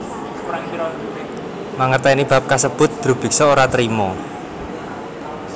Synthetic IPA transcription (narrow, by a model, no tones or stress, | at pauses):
maŋərt̪ɛinib̥a̤p̚kasəb̥ʊ̤t̪̚d̪̥ɾṳb̥i̤k̚sɔoɾat̪ɾimɔ